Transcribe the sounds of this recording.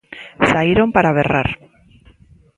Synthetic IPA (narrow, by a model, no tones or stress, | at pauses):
saiɾompaɾaβera̰ɾ